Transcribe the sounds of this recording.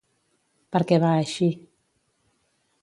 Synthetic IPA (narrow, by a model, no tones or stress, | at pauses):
pəɾkɛβaəʃi